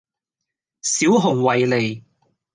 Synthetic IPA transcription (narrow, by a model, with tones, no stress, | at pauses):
siː˨˥wɦʊ˨˩ŋwɐ˨jle˨˩j